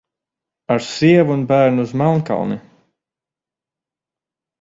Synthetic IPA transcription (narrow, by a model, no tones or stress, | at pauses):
aɾsiɛvuunbæːɾnuuzmalˠnka̰lˠni